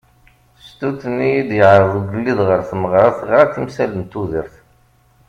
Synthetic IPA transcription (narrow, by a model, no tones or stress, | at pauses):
st̪uθnijid̪jəʕɾˤəðˤuɡəlːiðʁəɾθməʁɾˤɑθəʁɾˤɑθimsæləmt̪ːuðəɾθ